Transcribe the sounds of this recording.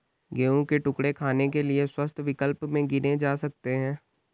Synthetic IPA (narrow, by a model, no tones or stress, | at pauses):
ɡeːũkeʈʊkɽekʰaːnekelieswəst̪ʰʋɪkəlpmẽɡɪnẽd͡ʒaːsɐk̚t̪eɦɛ̃ː